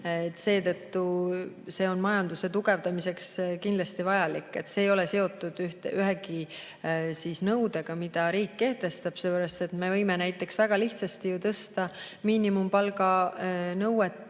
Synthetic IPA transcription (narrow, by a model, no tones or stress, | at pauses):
et̪ːˑse̞ːt̪ɤt̪ːu | se̞ːo̞nmɑjɑnd̪use̞t̪uɡ̥e̞vd̪̥ɑmise̞kskind̪lɑst̪ivɑjɑlikːˑe̞̰t̪ːse̞ːjo̞le̞se̞o̞t̪ːˑud̪̥yht̪eʔyɦeki | sisnɤwd̪eɡ̥ɑmid̪̥ɑɾiːkːe̞ht̪e̞st̪ɑb̥selːpøɾɑst̪e̞t̪me̞vɤjme̞næjt̪ːˑe̞ksvæɡ̥ɑliht̪sɑst̪ijut̪ɤst̪ɑmiːnimumpɑlɡɑnɤwet̪ˑː